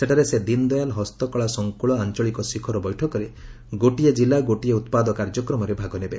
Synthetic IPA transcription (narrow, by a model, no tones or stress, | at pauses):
seʈʰaɾesed̪ind̪ɔjalɦɔst̪ɔkɔɭasɔŋkuɭɔant͡ʃɔɭikɔsikʰɔɾɔbɔjʈʰɔkɔɾe | ɡoʈied͡ʒilaɡoʈieut̪pad̪ɔkaɾd͡ʒɔkɾɔmɔɾebʱaɡɔnebe